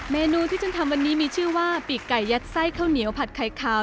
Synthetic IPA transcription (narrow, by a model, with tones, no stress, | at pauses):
meː˧nuː˧t̪ʰiː˥˩t͡ɕo˧˩t̪ʰa˧mwa˧nːiː˦˥miː˧t͡ɕʰɯː˥˩waː˥˩pi˨˩kːa˨˩jːa˦˥t̪̚sa˥˩jkʰa˥˩wni˩˦əwpʰa˨˩t̪̚kʰa˨˩jkʰaː˨˧˩